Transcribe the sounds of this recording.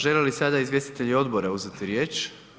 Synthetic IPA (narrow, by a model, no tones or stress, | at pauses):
ʒelelisad̪aizvje̞st̪i̥t̪e̞ʎio̞d̪bo̞ɾauzet̪iɾje̞ːt͡ʃ